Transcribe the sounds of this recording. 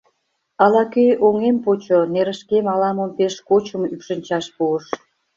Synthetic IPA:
ɑlɑkøjʔoŋempot͡ɕoneɾə̆ʃkemɑlɑməmpeʃkot͡ɕəmypʃə̆nʲt͡ɕɑʃpuəʃ

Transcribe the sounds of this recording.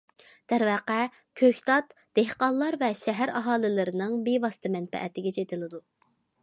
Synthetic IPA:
d̪̥æɾvɛːqæ | kʲʰøçʲt̪ɑt̪ | d̪̥ehqɑlˠlːˠɑɾvɛʃɛɦæɾɑɦɑːlˠɪlɪɾɪnɨŋbevɑsɨ̥t̪ʰɨmɛnpɛ̰ʔɛ̰t̪ɪɡʲɛt͡ʃʰet̪ʰɪlˠɨd̪u

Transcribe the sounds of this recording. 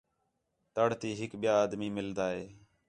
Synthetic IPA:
t̪əɽt̪iːɦɪkɓɪjaːaːd̪miːmɪld̪aːɦeː

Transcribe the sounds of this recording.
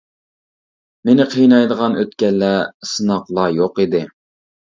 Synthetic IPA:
menɪqʰəjnɑjd̪əʁɑnøt̪kʲɛlːɛsɨnɑqlˠɑjoqid̪ɪ

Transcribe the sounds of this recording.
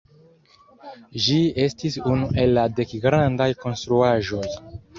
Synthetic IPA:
d͡ʒie̞stisunuʔe̞lːade̞kɡɾandajko̞nstɾuaʒo̞j

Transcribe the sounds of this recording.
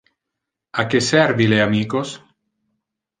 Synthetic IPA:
akesɛɾvileamiːkos

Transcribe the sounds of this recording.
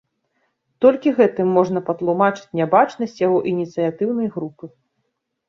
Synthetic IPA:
t̪ɔlʲkʲiɣɛt̪ɨmːɔʐnɐpɐt̪lˠumat͡ʂɨ̥t͡sʲnʲabat͡ʂnɐsʲt͡sʲjaɣɔʔinʲit̪sɨjat̪ɨwn̪ɐjɣɾupɨ

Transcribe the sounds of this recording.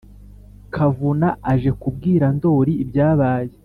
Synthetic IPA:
kʰavunaaʒe̞kub̚ɡiːɾando̞ːɾiːbɟaːβaːje

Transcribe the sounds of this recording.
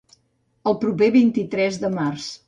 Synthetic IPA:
əlˠpɾupeβint̪it̪ɾɛzðəmars

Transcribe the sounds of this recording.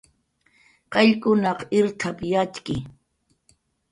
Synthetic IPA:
qɑʎkʊnɑqɪɾt̪ʰapjat͡ʃkɪ

